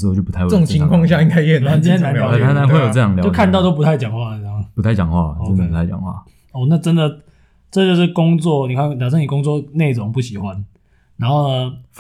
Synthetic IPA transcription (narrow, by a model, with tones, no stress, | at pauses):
o˧˩t͡ɕjo˥˩pu˦t̪ʰɪwo˨ŋt͡ɕʰi˨˦ŋkʰwɑ˥˧ŋɕja˥˧i˥ŋkʰa˥ɪjna˥˨t͡ɕĩ˥njna˦nja˨˩˥a˥a˥xwe˥˨jo˨˧t͡sɤ˥˧jɑ˥˩ŋljjkʰa˥˧nt̪ɑ˥˧ʊt̪o˥ʊpu˧˥t̪ʰa˥˩ɪt͡ɕjɑ˨˩ŋxwa˥˨˩n˨˥˨pu˦t̪ʰa˥˩ɪt͡ɕjɑ˨˩ŋxwa̰˥˩˨t͡sə˥nd̪ə˨˩pu˨˦a˥˩ɪt͡ɕjɑ̰˨˩ŋxwa̰˥˩ | ɔ˥˧˩na˥˩ʈ͡ʂə˦nd̪ə˨ | ʈ͡ʂə˥˧t͡ɕjo˥˧ʂɻ̩˥˩kʊ˦ŋt͡swɔ˥˨ni˨˩kʰa˥˩js̬ʰa˥˩ni˨˩kʊ˦ŋt͡swɔ˥˨ne˥˩ɪʈ͡ʂʊ˧˦ŋpu˥˩ɕi˨˩xwa˦n | na˧˥nxo˥˩ʊnə˨˩